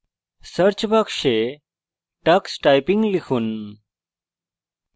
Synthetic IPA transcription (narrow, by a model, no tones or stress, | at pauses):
səɾt͡ɕbakʂe | ʈəksʈajpĩŋɡlikʰuːn